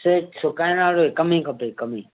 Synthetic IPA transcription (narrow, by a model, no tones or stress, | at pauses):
seːksokaẽnaːɽoeːkəmĩːkʰəpeːkəmiː